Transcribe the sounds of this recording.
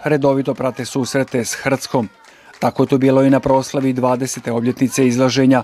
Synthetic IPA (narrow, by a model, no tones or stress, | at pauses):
ɾe̞d̪o̞ʋit̪o̞pɾat̪e̞suːsɾe̞t̪e̞sxr̩t̪sko̞m | t̪ako̞jet̪obiːlo̞inapɾo̞ːslˠaʋid̪ʋaːd̪e̞se̞t̪e̞o̞bʎʲje̞t̪nit̪se̞izlˠaʒe̞ɲa